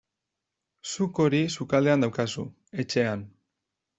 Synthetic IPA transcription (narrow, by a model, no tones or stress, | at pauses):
suko̞ɾisukald̪e̞and̪awkasṵ | e̞t͡ʃe̞an